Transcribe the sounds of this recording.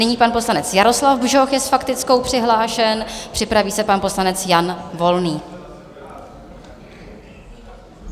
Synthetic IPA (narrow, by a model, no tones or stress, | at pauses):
ɪɲiːpanpo̞slanɛt͡sjaɾo̞slavbʒo̞xjɛsfakt̪ɪt͡sko̞wpr̝̥ɪɦlaːʃɛnpr̝̥ɪpɾaviːsɛpanpo̞slanɛt͡sjanvo̞lniː